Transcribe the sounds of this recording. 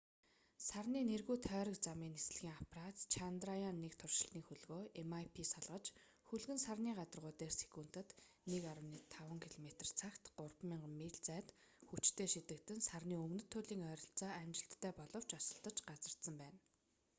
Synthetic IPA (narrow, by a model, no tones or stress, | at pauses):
sarniːnerɣuːt̪ʰœːɾə̆kt͡samiːnesɮxʲiːŋapʰrat͡s̪t͡ɕʰant̪rajanːekt̪ʰʊrʃɪ̥̆ɬt̪niːxuɮɣoːemajpʰiːsaɮʁə̆t͡ɕ | xuɮɣɘ̆nsarniːɢat̪ərʁʊːt̪eːrse̥kuːn̥t̪ɘ̆t̪ | nekaɾə̆wniːt̪ʰawə̆ŋkʰiɮɔmet̪ə̆r̥t͡sʰakt̪ɢʊrpmiːɴɢmːeɮt͡sæːt̪xut͡ɕt̪ʰeːʃit̪ɘ̆k̚t̪ɘ̆nsarniːɵmnɵ̆t̪ʰːʊɮiːŋœːɾʲɞ̆ɬt͡sɔːamt͡ɕɪ̆ɬt̪ʰːæːpɔɮɞ̆w̥t͡ɕɔsə̆ɬt̪ə̆t͡ɕɢat͡sə̆r̥t̪sə̆mpæːn